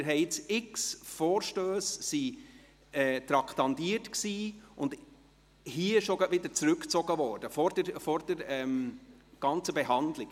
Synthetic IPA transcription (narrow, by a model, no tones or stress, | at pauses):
ɪɾɦɛɪɪt͡sɪksfɔːɾʃtøːsːi | ɛːt̪ɾɑkʰtɑndiːətksiːʔʊnd | hiəɪʃoɡɑtʋɪd̪əɾt͡sɾʉkt͡sɔɡ̥əvɔːɾd̥əfɔɾdəɾfɔɾd̥əɾɛmɡ̥ɑnt͡səbɛɦɑndlɪɡ